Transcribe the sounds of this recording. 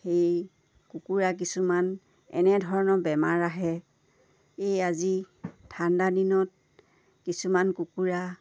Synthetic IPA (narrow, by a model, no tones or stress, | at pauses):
xej | kukuɹak̬isuman | ɛ̰nɛdʱɔɹɔnɔbɛmaɹaɦɛ | ejazi | tʰːandadinɔt̚ | kisumankukuɹa